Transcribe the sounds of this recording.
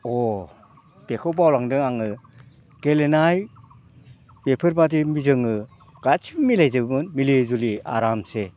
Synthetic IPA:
ɔ | b̥ekʰɯwbawlaŋdɯŋaŋɯ | ɡ̥elenaj | bepʰɯɾbadimizɯŋɯ | ɡ̥at͡ʃʰibɯmilajzɯbɯnmilezulia̰ɾamse

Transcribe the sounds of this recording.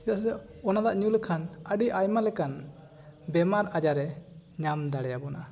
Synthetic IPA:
it̪asɛɔnad̪aʔɲulkʰanəɖiʔajmalɛkan | bɛmaɾad͡ʒaɾɛɲamd̪aɽɛjabɔna

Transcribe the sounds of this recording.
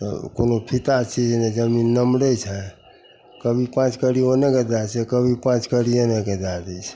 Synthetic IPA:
t̪ə̰ko̰nopʰit̪at͡ʃid͡ʒned͡ʒəminːəmɽɛt͡ʃʰɛ | kəbʱipãt͡ʃkəɽionekəd̪at͡ʃʰɛkəbʱipãt͡ʃkəɽionekəd̪ad͡ʒət͡ʃʰ

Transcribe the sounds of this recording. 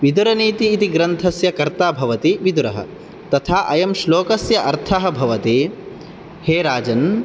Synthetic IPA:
ʋid̪uɾɐniːt̪iːt̪iɡɾɐnt̪ʰɐsjɐkɐɾt̪aːbʱɐʋɐt̪iʋid̪uɾɐɦɐ̰ | t̪ɐt̪ʰaːʔɐjɐmʃloːkɐsjɐʔɐɾt̪ʰɐɦɐ̆bʱɐʋɐt̪i | heːɾaːd͡ʒɐn

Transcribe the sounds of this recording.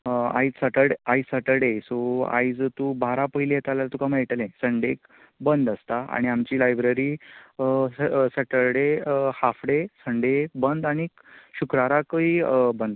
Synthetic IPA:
a̰it͡ssəʈəɾɽaisəʈəɽesoa̰jd͡zt̪ubʱaɾapəɦilijet̪alat̪ukãməjʈəlẽsəɳɖek | bənd̪əst̪aa̰ɽ̃iamt͡ɕiːlajbɾəɾi | seʈəɾɽehafɽesəɳɖebənd̪aɽ̃i | ɕukɾaɾakəibənd̪

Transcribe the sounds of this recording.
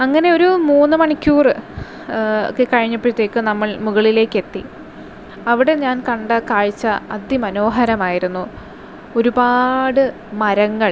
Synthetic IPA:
ɐŋːɐne̞o̞ɾumuːnːɨmɐɳikʲːuːrɨ | kːekɐɻiɲːɐpːit̪ːe̞ːkːɨnɐmːɐɭmuɣɐɭile̞ːkːe̞t̪ːi | ɐʋiɽe̞ɲaːnkɐɳɖɐkaːɻit͡ɕːɐɐd̪jimɐno̞ːɦɐɾɐmaːjiɾunːu | o̞ɾubaːɽɨ | mɐɾɐŋːɐɭ

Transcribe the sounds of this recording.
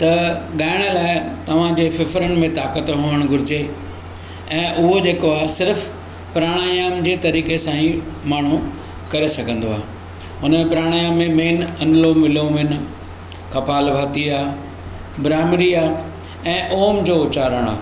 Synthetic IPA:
t̪ɐɠaːɪɽ̃əlaːɪt̪ɐʋ̤ãd͡ʑeːfɪfɾənɪ̆mẽt̪aːkət̪ɦũːəɽ̃ɡʱʊɾɪd͡ʑe | ɛ̃ːʔʊɦod͡ʑeːkoaːɦsɪɾf | pɾaːɽ̃aːjaːmd͡ʑeːt̪ɐɾiːkesãːĩmaːɳ̤ũ | kɐɾesɐɡʱə̃nd̪oa̰ːɦe | ʊnẽpɪɾaːɽ̃aːjaːmːẽmeːnɐnlomɪlomɪn̆ | kɐpaːlbʱaːt̪iaː | bɾaːmɾiaː | ɛ̃ːʔoːmd͡ʑoːʊt͡ɕaːɾəɽ̃a̰ː

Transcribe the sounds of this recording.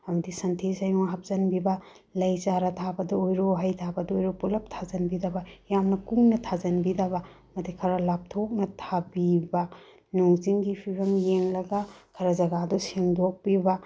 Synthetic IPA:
ɐmɐdisɐntʰisajuŋɦɐp̚zɐnbibɐ | lɐjzaɾɐtʰabɐdɐojɾoɦajtʰabɐdɔojɾopulɐp̚tʰazɐnbidabɐjamnɐkuŋnɐtʰazɐnbidaβɐ | mɐtikʰɐɾɐlap̚tʰok̚nɐtʰabibɐ | nuŋziŋɡipʰibɐmjeŋlɐɡɐkʰɐɾɐzɐɡadɔsiŋdok̚pibɐ

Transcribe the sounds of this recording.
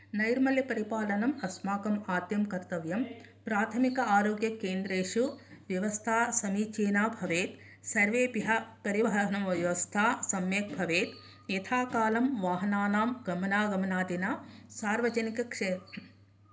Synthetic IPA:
nɐjɾmɐljɐpɐɾipaːlɐnɐmɐsmaːkɐmaːd̪jɐmkɐɾt̪ɐʋjɐm | pɾaːt̪ʰɐmikɐaːɾoːɡjɐkeːnd̪ɾeːʂuʋjɐʋɐst̪ʰaːsɐmiːt͡ʃeːnaːbʱɐʋeːt̪ | sɐɾʋeːpiɦɐpɐɾiʋɐɦɐɦɐnɐmɐʋjɐʋɐst̪ʰaːsɐmjeːk̚bʱɐʋeːt̪ | jet̪ʰaːkaːlɐmʋaːɦɐnaːnaːmɡɐmɐnaːɡɐmɐnaːd̪inaːsaːɾʋɐd͡ʒɐnikɐkʂeːt̪ɐ

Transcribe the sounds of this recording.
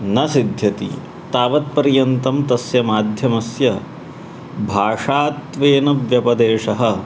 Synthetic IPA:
nɐsid̪ʱjɐt̪ḭ | t̪aːʋɐt̪̚pɐɾjɐnt̪ɐmt̪ɐsjɐmaːd̪ʱjɐmɐsjɐ | bʱaːʂaːt̪ʋeːnɐʋjɐpɐd̪eːʂɐɦɐ̆

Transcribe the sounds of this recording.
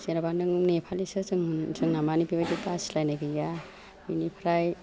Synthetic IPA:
seɾabadɯŋnepʰalisɯzɯŋzɯŋnamanipibadipaslajnaɡija | minipʰɾaj

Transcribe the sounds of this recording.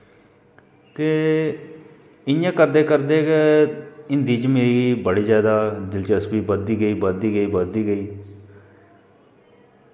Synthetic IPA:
t̪eː | ɪjãːkəɾd̪eːkəɾd̪eːk | ɪnd̪iːd͡ʒmeɡibəɽiːzjaːd̪aːd̪ɪlt͡ʃəsbiːbəd̪iːɡəiːbəd̪iːɡəiːbəd̪iːɡəiː

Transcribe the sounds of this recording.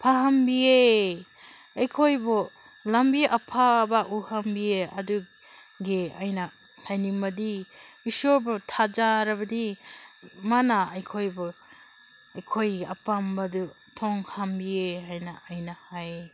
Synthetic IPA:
pʰaɦambie | ajkʰojbɔ | lambiʔapʰabaʔuhambieɐ̰du | ɡeajna | hajnimɐdiisoɾbɔtʰad͡ʒaɾɐbɐdi | manaːjkʰojbɔ | ajkʰojɡa̰pambadu | tʰɔŋhambiehajnaːjnahaj

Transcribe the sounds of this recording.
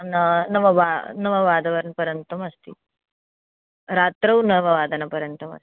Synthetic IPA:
nɐnɐʋɐʋanɐʋɐʋaːd̪ʱɐʋɐɾnpɐɾjɐnt̪ɐmɐst̪i | ɾaːt̪ɾɐwnɐʋɐʋaːd̪ʱɐnɐpɐɾjɐnt̪ɐmɐ̰st̪i̥

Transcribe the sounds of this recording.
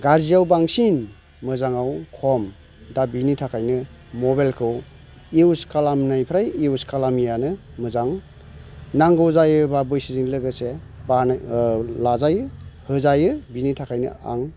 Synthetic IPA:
ɡaɾzijawbaŋsin | mɯzaŋawkʰɔm | dabinitʰakʰajnɯ | mɔbalkʰɯw | iwskalamnajpʰɾajiuskʰalamijanɯ | mɯzaŋ | naŋɡɯwzajɯbabɯjsiziŋlɯɡɯse | ba | lazajɯhɯzajɯbinitʰakʰajnɯ̰a̰ŋ

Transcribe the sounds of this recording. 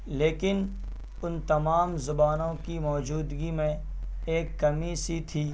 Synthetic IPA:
leːkɪn | ʊnt̪ɐmaːmzʊbaːnõkimɔːd͡ʒuːd̪ɡimẽ | eːkːɐmisit̪ʰiː

